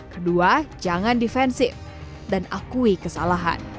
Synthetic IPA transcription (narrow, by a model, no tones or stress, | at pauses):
kəduad͡ʒaŋandifɛnsɪf | danakuikəsalaɦa̰n